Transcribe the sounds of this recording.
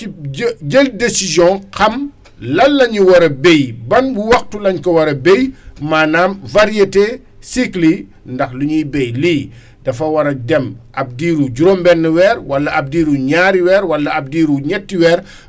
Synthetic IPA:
ɟeldesizjɔ̃kɐm | lɐlːɐɲuwɐɾɐbejbɐnbuwɐxtulɐɲkɔwɐɾɐbejmaːnaːmvaɾijete | sikli | ndɐxluɲujbɛjliː | d̥ɐfɐwɐɾɐdɛmɐp̚diːɾuɟuɾombɛnːəwɛːɾwɐlːɐʔɐp̚diːɾuɲaːɾiwɛːɾwɐlːɐɐp̚diːɾuɲɛtːiwɛːɾ

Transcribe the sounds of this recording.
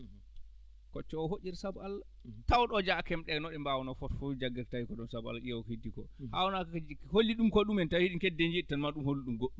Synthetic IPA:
kɔt͡ʃːɔɔɦoʔʲiɾsabɔalːa | tawɗɔd͡ʒakɛmɗɛnɔɗɛmbawɔnɔfɔtfud͡ʒaɡɛɾtawikɔɗɔnsabɔa̰lːaɗijawɔkhidikɔha̰wɔnakaholːiɗumkɔɗumɛntawiɗikɛdːɛnd͡ʒeɗitanmaɗumholːiɗumɡoɗːum

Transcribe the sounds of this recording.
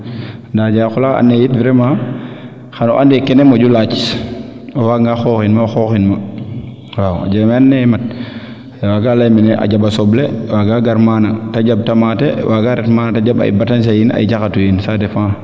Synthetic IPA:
ndad͡ʒaxulaa̰nːejitviɾɛma | xanɔʔandɛkɛnɛmoɟulat͡ʃi̥s | ɔwaŋɡaxoːxinmaxoxinma | wawa̰d͡ʒamanːɛmat̚ | waɡalajminɛʔa̰ɟabasɔblewaɡaɡaɾmanataɟab̚tamatɛwʔaɡaɾɛtmaːnataɟaba̰jḭbatans̬ajina̰jd͡ʒaxatujinsatɛfã

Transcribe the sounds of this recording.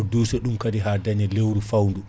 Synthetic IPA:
dusɛɗumkadiɦaːdaɲɛlewɾufawndu

